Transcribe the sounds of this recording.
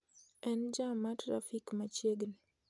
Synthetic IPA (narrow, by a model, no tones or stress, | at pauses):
ɛnd͡ʒamatɾa̰fikmat͡ʃeɡl